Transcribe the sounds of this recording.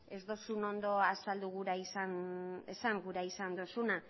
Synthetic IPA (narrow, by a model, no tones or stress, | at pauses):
e̞zd̪o̞suno̞nd̪o̞asald̪uɣuɾaisanesaŋɡuɾaisand̪osuna